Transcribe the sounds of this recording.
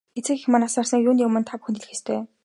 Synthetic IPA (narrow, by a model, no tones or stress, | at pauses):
ɡet͡sɘ̆kxʲmanasaːrsiːkjuːnijʊmɘ̆nt̪ʰapxunt̪ɮɘ̆xest̪ʰeː